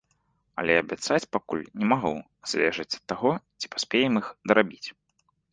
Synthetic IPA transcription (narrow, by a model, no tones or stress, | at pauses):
ɐ̰lʲɛɐbʲat̪sat͡sʲpakṵlʲnʲɛmaɣṵ | z̥ʲvʲɛ̰ʐɐt͡sʲɐ̥t̪ːaɣɔt͡sʲi̥pḁsʲpʲɛjɛmixd̪ɐɾʔabʲit͡sʲ